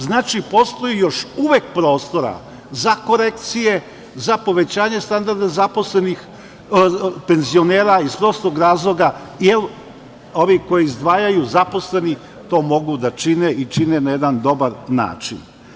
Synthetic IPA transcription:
znaːt͡ʃipo̞st̪o̞jijo̞ʃuʋekpɾo̞ːst̪o̞ɾa̰ | zako̞ɾekt̪sije̞ | zapo̞ʋet͡ɕaːɲest̪and̪aɾd̪azapo̞slenix | pe̞nzio̞neːɾaispɾo̞ːst̪oɡɾaːzlˠo̞ɡa | jel | o̞ʋiko̞jiːzd̪ʋaːjajuzapo̞sle̞ni | t̪o̞ːmo̞ɡud̪at͡ʃineʔit͡ʃinenajed̪and̪o̞baɾna̰ːt͡ʃḭn

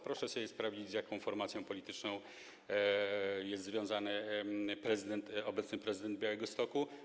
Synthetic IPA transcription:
pɾɔʂɛɕɛbʲjɛspɾavd͡ʑid͡ʑzjakɔ̃w̃fɔɾmat̪sʲjɔ̃w̃pɔlʲit̪ɘt͡ʂnɔ̃w̃ | jɛst̪zvʲjɔ̃w̃zanɘpɾɛzɘd̪ɛnt̪ɔbɛt̪snɘpɾɛzɨd̪ɛnd̪̚bjawɛɡɔst̪ɔku

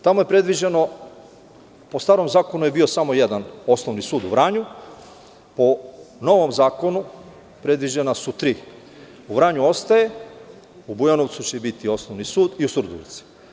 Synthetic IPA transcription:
t̪amoje̞pɾe̞d̪ʋid͡ʑeno̞ | po̞st̪aːɾo̞mzaːko̞nuje̞biosamo̞jed̪ano̞snoʋnisuːd̪uʋɾaːɲu | pono̞ʋo̞mzaːko̞nu | pɾe̞d̪ʋid͡ʑenasut̪ɾiː | uʋɾaːɲuo̞st̪aje̞ | ubujano̞ʋt̪sut͡ɕebit̪io̞snoʋnisuːd̪iusuɾd̪o̰ʋḭt̪si̥

